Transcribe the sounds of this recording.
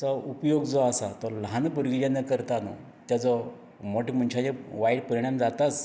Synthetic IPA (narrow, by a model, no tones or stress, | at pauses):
t͡sɔupjoɡd͡zɔasat̪ɔlɦanpəɾɡljanːəkəɾt̪anɔ | t̪jad͡zɔ | mɔʈikm̤əɳt͡ɕʰad͡ʑeʋaiɽpəɾiɽ̃amd͡zat̪at͡s